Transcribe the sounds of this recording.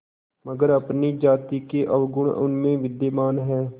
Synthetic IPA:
məɡəɾəpnid͡ʒaːt̪ikeʔəʋɡʊɽʊ̰nmẽʋɪd̪jemaːnɦɛː

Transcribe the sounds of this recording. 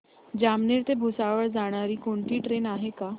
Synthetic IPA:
d͡ʑamneɾt̪ebʱusaʋəɾd͡zaɽ̃aɾiːkoɳt̪iːʈɾenaɦeka

